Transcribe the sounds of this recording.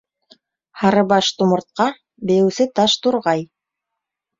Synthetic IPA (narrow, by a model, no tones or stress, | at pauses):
hɑɾɤbɑʃt̪umɤ̆ɾt̪̚qɑ | bɘ̆jɘ̆wsɘt̪ɑʃt̪uɾʁɑj